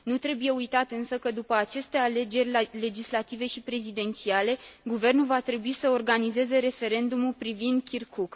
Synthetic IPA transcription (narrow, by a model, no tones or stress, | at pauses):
nut̪ɾe̞buje̞ujt̪at̪ɨnsəkəd̪upəat͡ʃe̞st̪e̞ale̞d͡ʒe̞rʲle̞d͡ʒislat̪ive̞ʃipɾe̞zid̪e̞nt̪siale̞ɡuve̞rnulvat̪ɾe̞buisəo̞rɡanize̞ze̞ɾe̞fe̞ɾe̞nd̪umulpɾivind̪̚kʲirkuk